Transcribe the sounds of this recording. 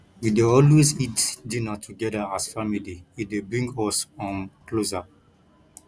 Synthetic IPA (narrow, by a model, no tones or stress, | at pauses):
ideɔlwezitdĩnatʰuɡɛdaasfamiliidebɹĩŋɡɔsɔ̃nkloza